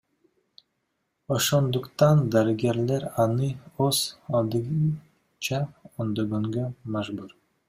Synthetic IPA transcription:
oʃond̪uqt̪ɑnd̪ɑɾɪɡʲeɾleɾɑnɯozɑlˠd̪ɯɡ | t͡ʃɑond̪oɡoŋɡømæʒbuɾ

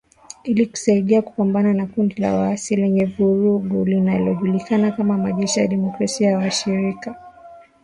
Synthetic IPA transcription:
iliku̥saiɗiaku̥pambananakundila̰waasilɛɲɛvuɾuɡulinalɔʄulikanakamamaʄɛʃija̰ɗɛmɔkɾasiajawaʃiɾika

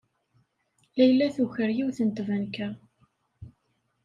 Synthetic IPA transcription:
læjlːæθuçəɾjiwθənt̪vænkæ

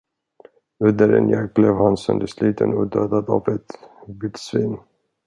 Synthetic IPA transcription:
ɵnd̪əɾɛ̰njɛk̚blevhansɛnd̪əsliːt̪ʰənɔd̪øːd̪ad̪a̰vɛt̪vɪd̪sviːn

